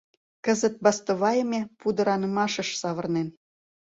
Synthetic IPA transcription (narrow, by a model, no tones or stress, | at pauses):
kə̆zə̆t̪̚bɑst̪oβɑjəmʲepud̪ə̆ɾɑnə̆mɑʃə̆ʃsɑβə̆rnen